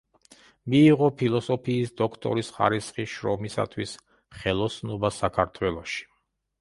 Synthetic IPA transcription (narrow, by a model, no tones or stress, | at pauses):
miːʁɔpʰilˠɔsɔpʰiːsd̪ɔkʰt̪ʼɔ̰ɾisχa̰ɾisχiʃɾɔmisa̰t̪ʰwis | χɛlˠɔsnɔbasakʰaɾt̪ʰwɛlˠɔʃi̥